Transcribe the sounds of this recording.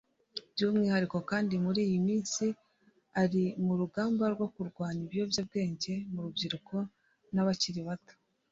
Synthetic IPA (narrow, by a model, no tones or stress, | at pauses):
bjuːmŋiːhaɾiko̞kaːndimuɾiːjimiːnsi | aɾimuɾuɡaːmbaɾɡwo̞kuɾɡwaːɲiβijo̞bjab̚ɡe̞ːɲɟe̞muɾubɟiɾuko̞ | naβaciɾiβatḁ